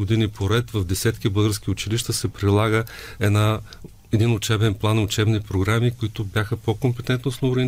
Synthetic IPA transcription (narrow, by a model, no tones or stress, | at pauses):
od̪inipʰoɾɛt̪vɐvd̪ɛsɛt̪k̟ʲibɤlˠɡəɾsk̟ʲiʊt͡ʃiliʃt̪əsɛpɾilˠaɡəɛd̪na | ɛd̪inʊt͡ʃɛbɛnplˠanːʊt͡ʃɛbnipɾoɡɾamikʊit̪ʊbjaxəpokompɛt̪ɛnt̪nosnobɾɛ